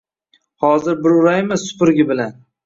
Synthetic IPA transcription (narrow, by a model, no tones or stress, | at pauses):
hɒzɪɾbɪɾʊɾajmɪsːʊ̥pɪɾɡʲɪbɪlan